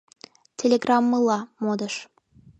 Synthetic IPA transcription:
tʲʰelʲeɡrɑmːəlɑmod̪ə̆ʃ

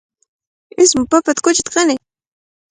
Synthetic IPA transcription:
ɪsmʊpapat̪kʊt͡ʃɪt̪qɑnɪ

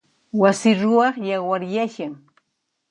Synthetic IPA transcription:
wasɪɾʊɑχjawaɾjaʃaŋ

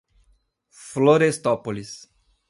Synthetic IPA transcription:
floɾest̪opolis

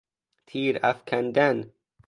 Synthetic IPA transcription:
t̪ʰiːɾafkʰand̪an

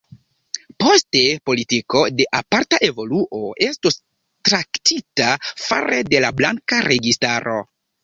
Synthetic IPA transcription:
po̞ste̞po̞litiko̞de̞ʔapaɾtaʔe̞vo̞luʔo̞e̞stus | tɾaktʰitafa̰ɾede̞lablaŋkaɾe̞ɡistaɾʔo̞̰

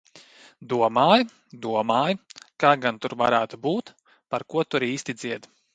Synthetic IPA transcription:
d̪uɔmaːj | d̪uɔmaːjkaːɡant̪uɾvaɾæːt̪ubuːt̪ | paɾkuɔt̪uɾiːst̪id̪z̥iɛd̪

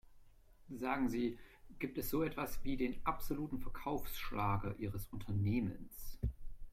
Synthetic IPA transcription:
zaːɡŋ̩ziːɡ̥iːp̚tɛsz̥oːɛtv̥asv̥iːdeːnʔapz̥oluːtn̩fɛɐkʰaʊfsʃlʔaːɡɐʔiːʁəsʔʊntʰɐneːmə̰ns

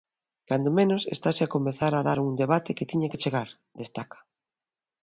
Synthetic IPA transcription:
kand̪omẽnosḛst̪asɪakomeθaɾaðaɾuŋd̪eβat̪eket̪iɲaket͡ʃeɣaɾ | d̪est̪akḁ

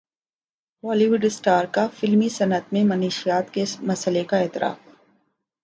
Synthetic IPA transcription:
ʋaːliːʋʊɖɪsʈaːɾkafɪlmisɐnət̪mẽmɐniːʃijaːt̪kemɐsəlekaɛːt̪ɪɾʔa̰ːf

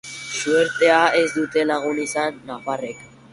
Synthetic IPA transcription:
sueɾt̪e̞ae̞zd̪ut̪e̞laɣ̞unisanːafare̞k

